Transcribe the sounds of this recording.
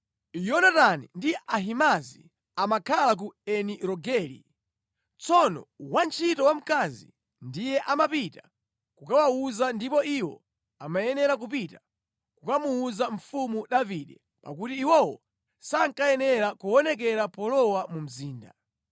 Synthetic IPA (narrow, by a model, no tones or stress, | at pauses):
jɔnatanḭndiaɦimazi | amakʰalak̬uɛniɾɔɡɛlḭ | t͡sɔnɔ̰want͡ʃʰitɔwam̩kazḭ | ndijɛʔamapita | kukawauzandipɔiwɔ̰ | amajɛnɛɾak̬upita | kukamuuzaɱfumuɗaviɗɛ | pa̰kutiːwɔwɔ | saŋkajɛnɛɾakuɔnɛk̬ɛɾapɔlɔwamum̩ziːnda